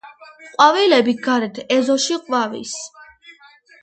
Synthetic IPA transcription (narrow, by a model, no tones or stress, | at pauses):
qʼwavɛlɛbiɡaɾɛt̪ʰɛzɔʃiqʼwavḭs